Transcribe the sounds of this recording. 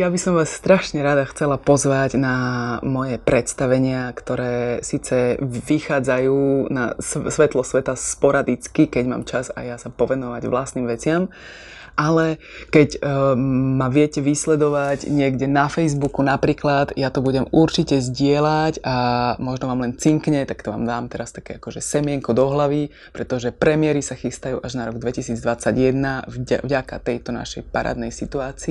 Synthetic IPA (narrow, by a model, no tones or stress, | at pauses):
jabisɔmʋaːsːt̪ɾaʃɲɛɾad̪axt͡sɛlapɔzʋaɟnamɔjɛpɾɛt̪st̪aʋɛɲɪakt̪ɔɾɛːsiːt͡sɛʋixaːd͡zajuːna̰ssʋɛt̪lɔsʋɛt̪aspɔɾad̪it͡skikɛɟma̰ːmt͡ʃaza̰jasapɔʋɛnɔʋaɟʋlast̪niːmʋɛt͡sɪam | ʔalɛ | kɛɟ | maʋɪɛcɛʋislɛd̪ɔʋaɟɲɪɛɡɟɛnafɛjzbukunapɾiːklad̪jat̪ɔbuɟɛmuɾt͡ʃicɛzɟɪɛlaɟamɔʒnɔʋaːmlɛnt͡siŋkɲɛt̪ak̚t̪ɔʋa̰ːmd̪aːmt̪ɛɾast̪akɛːakɔʒɛsɛmɪɛŋkɔd̪ɔɦlaʋi | pɾɛt̪ɔʒɛpɾɛmɪɛɾisaxist̪ajṵːʔaʒnaɾɔɡd̪ʋɛcisiːd͡zd̪ʋat͡sːaɟjɛd̪navavɟaka̰t̪ɛjt̪ɔna̰ʃɛ̰jpaɾa̰ːd̪nɛjsit̪uaːt͡siː